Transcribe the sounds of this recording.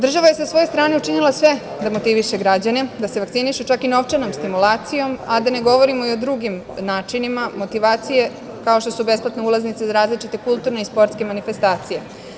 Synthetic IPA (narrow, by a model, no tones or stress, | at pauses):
d̪ɾr̩ʒaʋaje̞sasʋo̞jo̞st̪ɾaːneut͡ʃinilˠasʋe̞ | d̪amot̪iʋiʃe̞ɡɾad͡ʑane̞d̪aseʋakt̪siniʃut͡ʃakino̞ʋt͡ʃano̞mst̪imulaːt̪sijo̞mad̪ane̞ɡo̞ʋo̞ɾimo̞io̞d̪ɾuɡim | naːt͡ʃinimamo̞t̪iʋaːt̪sije̞ | kaoʃt̪o̞sube̞splˠat̪neulˠaznit̪sezaɾaːzlit͡ʃit̪e̞kulˠt̪uɾneispo̞ɾt̪ske̞manife̞st̪aːt̪sije̞